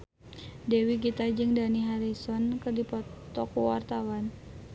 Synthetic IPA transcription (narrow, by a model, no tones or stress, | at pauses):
dewik̬it̪ad͡ʒɨŋdaniɦaɾisɔnkɨrdipɔt̪ɔkuwa̰rt̪awan